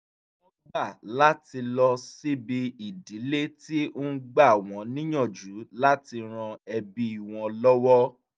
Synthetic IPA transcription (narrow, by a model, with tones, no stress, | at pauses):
ɔ˦ɡ͡ba˦˨la˦ti˧lɔ˧si˦bi˧i˨di˨˦le˦ti˦o˦ɡ͡ba˦˨w̃ɔ̃˨˦nĩ˦j̃ɔ̃˦˨d͡ʒu˨˦la˦ti˧ɾ̃ã˧ɛ˧bi˧˦i˨w̃ɔ̃˧lɔ˦wɔ˦